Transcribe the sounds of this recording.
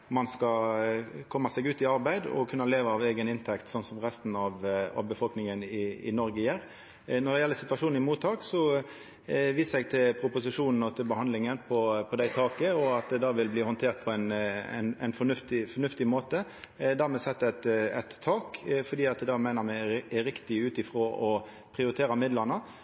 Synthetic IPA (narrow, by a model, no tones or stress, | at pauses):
mɑnskɑ | kʰɔmːɑsɛɡʉːt̪ɪɑʁbæɪd̪ɔ̰kʰʉnːəleːʋəɑːʋeːɡənɪnt̪ʰɛkt̪sɔnːsɔmɾɛst̪nɑʋɑ̰ʋbəfɔlknɪŋənɪɪ̰nɔɾɡəjæːɾ | nɔʁd̪ɛjɛlːəsɪt̪ʋɑʂuːn̩ɪmuːt̪ʰːɑːksɔ | ʋiːssɛɡ̚t̪ʰɪlpʰɾʊpʊsɪʂuːnn̩ɔt̪ʰɪlbəhɑnd̪lɪŋənpʰɔpʰɔd̪æɪt̪ʰɑːkəɔɑt̪̚d̪ɛd̪ɑːʋɪlbliːhɔnt̪ʰeːɾt̪̚pʰɔæɪnɛ̰næ̰ɪnfɔnʉft̪ɪfɔnʉft̪ɪmoːt̪əd̪æɾmɛsɛt̪ːəɛt̪ɛt̪ʰːɑːkfɔɾɖ̪iːɑt̪̚d̪ɛd̪ɑːmæɪnəɾmɛɛɾɪkt̪ɪʉːt̪ɪfɾoːʔɔ | pʰɾɪʊɾɪt̪ʰeːɾɑmɪd̪ləɾnə